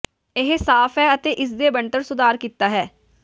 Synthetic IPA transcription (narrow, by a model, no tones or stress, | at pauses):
ɪɦsaːfʰɦɛːət̪eːʔɪs̬d̪eːbəɳʈəɾsʊd̪aːɾkiːt̪aːɦɛː